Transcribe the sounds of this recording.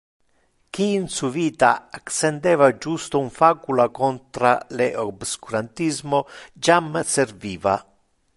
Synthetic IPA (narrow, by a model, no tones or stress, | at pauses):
kiːnsuviːt̪a̰aksend̪ɛːvad͡ʒust̪ouɱfaːkulakɔnt̪ɾa̰leʔobskuɾant̪izmod͡ʒamserviːva̰